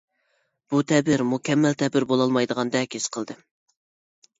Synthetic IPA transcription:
b̥ut̪ʰɛbɪɾmukʲʰɛmːælt̪ʰɛbɪɾbolˠɑlˠmɑjd̪əʁɑnd̪ɛkʲʰesqʰəlˠd̪ɨ

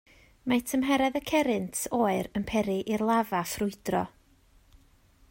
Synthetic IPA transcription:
majtʰəmɦɛɾɛðəkʰɛɾɪntʰoːɨɾənpʰɛɾiʔirlˠavafrʊɨdrɔ̰

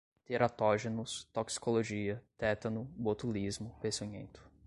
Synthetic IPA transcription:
t̪eɾat̪ɔʒenʊst̪oksi̥koloʒiɐt̪ɛt̪ɐnʊbot̪ulizmʊpẽsiɲḛ̃nt̪ʊ̥

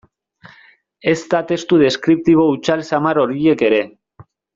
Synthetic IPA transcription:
e̞zt̪at̪e̞st̪uðe̞skɾip̚t̪iβ̞o̞ut͡ʃalsamaɾo̞ɾie̞ke̞ɾe̞

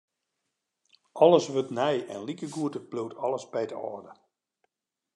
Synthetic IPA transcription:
ɔlˠəsʋøtnɛjɛ̰nlikəɡuətəb̥lutʰɔləsbɛjdəɔ̰ːrdə

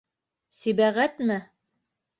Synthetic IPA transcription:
sibæʁæt̪mæ

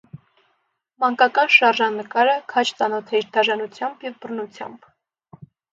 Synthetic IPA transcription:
mɑŋkɑkɑnʃɑɾʒɑnːəkɑɾəkʰɑt͡ʃʰt͡sɑnɔt̪ʰɛɾd̪ɑʒɑnut͡sʰjɑmbjɛvbərnut͡sʰjɑ̰mb̥

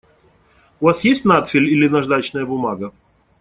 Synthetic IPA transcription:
ʊvasjesʲtʲnat̪fʲɪlʲilʲɪnɐʐd̪at͡ɕnəjəbʊmaɡə

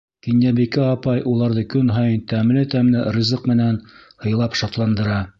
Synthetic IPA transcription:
kinjæbikɘɑpɑjʔulˠɑɾðɤkɵnɦɑjɤnt̪æmlɘt̪æmlɘrʲizɤqmɘ̆nænhɤ̆jlˠɑpʃɑt̪lˠɑnd̪ɤ̆ɾɑ

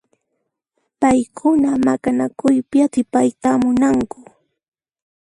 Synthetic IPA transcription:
pajkʰʊnamakanakʊjpɪat̪ɪpajt̪amʊnaŋkʊ̥

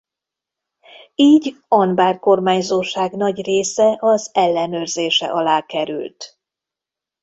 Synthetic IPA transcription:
iːɟɒnbaːrko̞rmaːɲzoːʃaːɡnɒɟreːsɛʔɒzɛlːɛnøːrzeːʃɛ̰ʔɒlaːkɛɾy̰lt̪

